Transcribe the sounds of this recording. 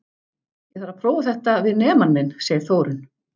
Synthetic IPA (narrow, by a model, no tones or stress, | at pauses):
jɛθaɾapʰɾoːwvaθɛht̪avɪðnɛːmanːɪnsjɛːjɪɾθoːwɾʏn